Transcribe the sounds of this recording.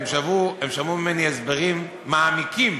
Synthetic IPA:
mʃavuemʃamumimeniezbeʁimː | aːmikim

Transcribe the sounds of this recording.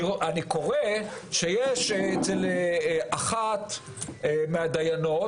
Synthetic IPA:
aniko̞ʁeʃejeʃet͡selʔaχat̪ | meadajano

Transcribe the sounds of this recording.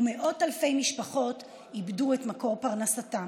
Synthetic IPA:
umeʔo̞talfe̞jmiʃpaχo̞t | ibduetmako̞ʁpaʁnasatam

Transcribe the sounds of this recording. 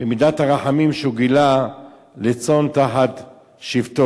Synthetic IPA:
bemidat̪haʁaħamimʃuɡila | let͡so̞nt̪aħat | ʃivt̪o

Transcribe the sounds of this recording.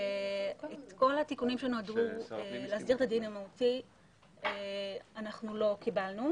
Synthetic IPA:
et̪ko̞latikunimʃenoaduelehasdiʁet̪ad̪inamauti | eanaχnulo̞kibalnu

